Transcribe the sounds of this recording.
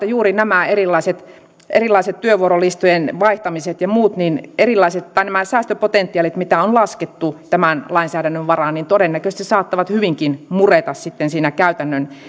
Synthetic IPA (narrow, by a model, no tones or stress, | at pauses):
æjuːrinæmæerilːˑɑiset̪ | ʔerilːˑɑiset̪tyøʋuorolist̪ojenʋɑiht̪ɑmiset̪jɑmuːt̪ninerilːˑɑiset̪t̪ɑinæmæsæːst̪øpot̪ent̪ːˑiɑːlit̪mit̪æonlɑsket̪ːut̪æmænlɑinsæːdænːøʋʋɑrɑnniːnt̪odenːækøst̪issɑːt̪ːɑʋɑt̪hyʋiŋkinmuret̪ɑssit̪ːensiːnækæyt̪ænːøn